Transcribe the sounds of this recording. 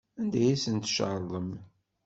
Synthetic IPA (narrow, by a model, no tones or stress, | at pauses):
ænd̪æjæsənt̪ʃʕəlˤːəm